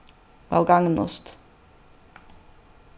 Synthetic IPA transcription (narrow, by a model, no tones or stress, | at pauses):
bɑ̰lɡɑŋnʊ̰st̪